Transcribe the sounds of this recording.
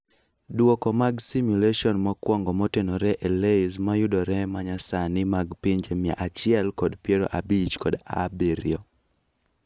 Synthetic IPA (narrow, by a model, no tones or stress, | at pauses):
dwokɔmaɡsimjuleʃiɔnmakwɔŋɡɔmɔtenɔɾɛʔeleɪzmajʊdɔɾɛmaɲasanɪmaɡpiɲd͡ʒemja̰ʔat͡ʃɪɛlkɔdpjeɾo̰ʔabit͡ʃkɔda̰beɾj̰ɔ